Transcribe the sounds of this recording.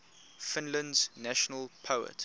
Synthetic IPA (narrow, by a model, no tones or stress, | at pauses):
fɪ̃nlə̃ndz̥næʃənəlˠpʰəʊə̰t